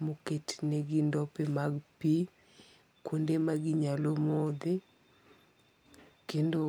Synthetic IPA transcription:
moketneɡindɔpemaɡpi | kwondemaɡɪɲalomod̪ɪ | kendo

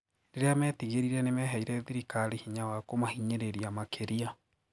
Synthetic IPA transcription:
ɾeɾeamɛːtiɣeɾiɾɛnemɛɦaiɾɛðiɾikaɾihiɲawakomahiɲeɾeɾiamakʰeɾia

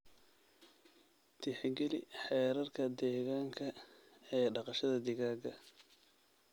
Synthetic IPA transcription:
t̪ʰɪħɛɡɛlɪ̰ħɛːɾɐrkʰɐd̪ɛːɣaːŋkʰɐ | ɛːɖɑqɑʃɐðɐd̪ɪɣaːɡɐ

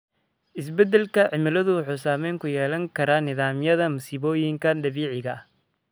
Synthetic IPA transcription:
ʔɪs̬bɛd̪ɛlkʰɐʕɪmɪlɐðʊwɑħuːsaːmɛjŋkʰʊjɛːlɐŋkʰɐɾaːnɪðaːmjɐðɐmʊsiːβɔːjɪŋkʰɐnd̪ɐβiːʕɪɣɐ

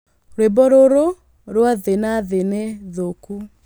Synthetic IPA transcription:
ɾwebɔɾoɾo | ɾwaðenaðeneðoku

